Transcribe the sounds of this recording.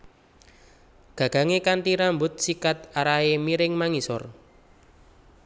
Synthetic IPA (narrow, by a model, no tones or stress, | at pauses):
ɡ̥ä̤ɡ̥a̤ŋekant̪iɾambʊt̪̚sikat̪aɾaemiɾɪŋmaŋisɔr